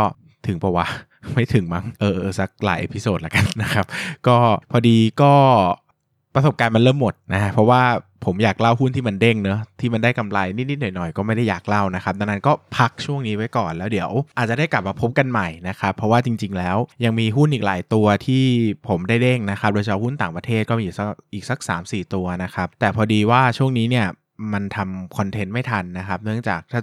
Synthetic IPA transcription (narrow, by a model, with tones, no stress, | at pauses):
ɔ˥˩ | t̪ʰɯ˨˩˦pɔ˧˩wa˦˧˩ | ma˥˩jt̪ʰɯ˨˩˦ŋma˦˥˩ŋʔɤː˧˩ʔɤɤː˧˩sa˦k̚la̰ː˨˦ʔḛː˧˩pʰi˧˥soː˨˩t̪̚la˨˩ka˧nːa˦˥kʰa˦˥p̚kɔː˥˩pʰːɔː˧diː˧kɔː˥˩ | pɾa˧so˨˩p̚kaː˧nma˧nɾlɤː˥˩˨mːo˨˩t̪̚na˦˥pʰɔ˦˥waː˥˩pʰo˩˦mjaː˨˩k̚la˥˩wɦu˥˩nt̪ʰiː˥˩ma˧nde˥˩ŋnɤ˦˥t̪ʰiː˥˩ma˧nda˥˩jka˧mlaː˧jni˦˥ni˦t̪̚nɔ˨˩jnɔ˨˩jkɔː˥˩ma˥˩jda˥˩jaː˨˩k̚la˥˩wna˦˥kʰa˦˥p̚na˧˩na˦˥nkɔː˥˩pʰa˦˥k̚t͡ɕʰu˥˩əŋniː˦˥wa˦˥jkɔː˨˩nlɛː˦˥wdi˨˩˦əwʔa˨˩t̪̚a˨˩da˥˩jkla˨˩p̚maː˧pʰo˦˥p̚ka˧nma˨˩jna˦˥kʰa˦˥pʰːɾɔ˦˥waː˥˩t͡ɕi˧ŋt͡ɕi˧ŋlɛː˦˥wja˧ŋmiː˧ɦu˥˩nʔiː˨˩k̚la̰ː˨˩˦jt̪u˧ɐt̪ʰiː˥˩pʰo˩˦mdaː˥˩jde˥˩ŋna˦˥xʰa˦p̚doː˧t͡ɕʰa˧whu˥˩nt̪aː˨˩ŋpɾa˧t̪ʰeː˥˩t̪̚kɔː˥˩mːi˧iː˨˩sk̚ʔiː˨˩k̚sa˩˦k̚sa̰ː˩˦msiː˨˩t̪u˧ɐna˦˥kʰa˦˥p̚t̪ɛː˨˩pʰɔː˧diː˧waː˥˩t͡ɕʰu˥˩əŋniː˦˥ni˥˩ɐ | ma˧nt̪ʰa˧mkʰɔ˧nt̪ʰe˦˥nma˥˩jt̪ʰa˧nːa˦˥kʰa˦˥p̚nɯ˥˩əŋt͡ɕa̰ː˨˩k̚t̪ʰaː˥˩